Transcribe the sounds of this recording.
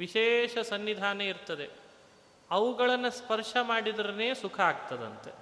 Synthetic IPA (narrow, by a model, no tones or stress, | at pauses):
ʋiʃeːʂɐsɐnːid̪ʱaːnɐiɾt̪ɐd̪e̞ | ɐʋuɡɐɭɐnːɐspɐɾʂɐmaːɽid̪ɐɾɐne̞ːsukʰɐaːɡ̚t̪ɐd̪ɐ̰nt̪e̞̰